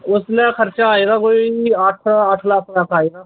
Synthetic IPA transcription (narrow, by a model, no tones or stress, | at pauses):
ʊslexɐɾt͡ʃaaːeːɡakoːiaːʈʰaaːʈʰlaːkʰlaːkʰaːeːɡaː